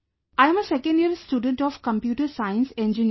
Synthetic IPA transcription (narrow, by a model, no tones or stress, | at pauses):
aɪɛ̃məsɛkə̃ɳɖiɾsʈuːɖə̃ɳʈɔfkə̃mpjuːʈəɾsaɪə̃nsɛ̃nd͡ʒini